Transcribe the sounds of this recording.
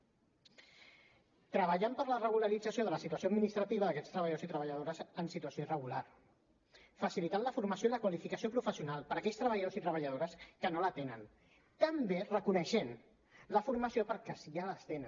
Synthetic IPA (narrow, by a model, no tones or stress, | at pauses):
t̪ɾəβ̞əʎampəɾlərəɣ̞uləɾid͡zəsioðələsit̪uəsod̪minist̪ɾət̪iβ̞əðəkɛst̪ɾəβəʎðosit̪ɾəβəʎəð̞oɾəzənsit̪uəsjoirəɣular | fəsilit̪anləfuɾməsjoiləkwalifikəsiopɾufəsiunalˠpəɾəkɛʎst̪ɾəβəʎəðosit̪ɾəβəʎəð̞oɾəskənolət̪enən | t̪əmberəkunəʃen | ləfuɾməsiopəɾkəsialəst̪enə